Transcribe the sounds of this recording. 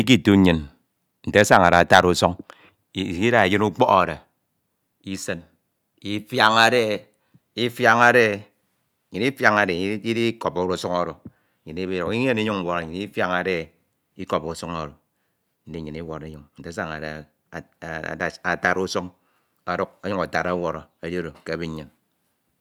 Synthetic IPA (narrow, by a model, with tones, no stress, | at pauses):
i˦k̬i˦tu˦ɲɨ˨n | n̩˨te˦a˦sa˦ŋa˨ɾa˨a˨ta˦ɾu˦so˦ŋ˦˨ | i˦da˦˨e˨jɨ˦nu˦k͡pɔ˦a̰˨da˨ | i˦sɨ˦n | i˦fja˦ŋa˨de˦ | i˦fja˦ŋa˨de˦˨ | ɲi˨ni˦fja˨ŋa˨de˨˦i˦di˦ko˨po˨ɾu˨su˦ŋo˦ɾo˨ | ɲi˨ni˦bi˦ɾu˨ki˦ɲe˦ni˦ɲu˦ŋ̩˦wo˨ɾa˨ɲi˨ni˦fja˦ŋa˨de˦ | i˦ko˨po˨˦su˦ŋo˨ɾo˨ | n̩˦di˦˨ɲi˨ni˦wo˨ɾe˦ɲu˨ŋn̩˨de˦sa˦ŋa̰˨da˨ | a˨ta˨ɾu˦so˦ŋ | a˨du˦k̚a˦ɲu˦ŋa˨ta˨ɾa˦wo˨ɾɔ˨a˨ɾi˦o˦ɾo˨ke˨bi˦ɲ˦e˨n